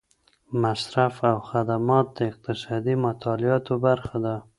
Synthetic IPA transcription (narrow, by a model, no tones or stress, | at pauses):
masɾafawxad̪amɑt̪̚d̪əɪq̚t̪ɪsɑd̪imat̪ʰɑlɪɑt̪obaɾxad̪a